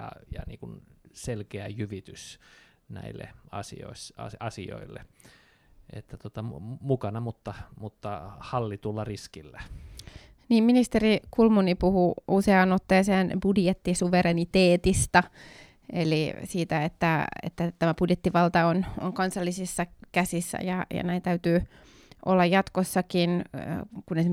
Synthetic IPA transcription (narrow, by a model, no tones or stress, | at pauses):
jɑ̰jɑ̰nḭːŋkunselkeæjyʋit̪ys | næ̰ilːḛɑsḭo̰isɑ̰sɑsḭo̰ilːḛ | ḛt̪ːæt̪ot̪ɑmukɑnɑmut̪ːɑmut̪ːɑhɑlːit̪ulːɑriskilːæ | niːmminist̪erikulmunipuhuuseɑnot̪ːeːseːnb̥udjet̪ːisuʋeɾenit̪eːt̪ist̪ɑ | elisiːt̪æet̪ːæḛt̪ːæt̪æmæb̥udjet̪ːiʋɑlt̪ɑono̰ŋkɑnsɑlːisisːɑkæsisːæ̰jɑjɑ̰næint̪æyt̪yː | ʔolːɑjɑt̪kosːɑkin̰kunes